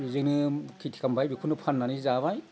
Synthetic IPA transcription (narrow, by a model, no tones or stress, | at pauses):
zɯnɯkʰitʰi̥kambajbikʰunɯpʰanːanizaβaj